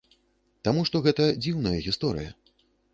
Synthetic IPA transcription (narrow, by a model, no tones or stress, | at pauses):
t̪amuʂt̪ɔɣɛt̪ɐd͡zʲiwnɐjɐɣʲist̪ɔɾɨ̰jɐ̰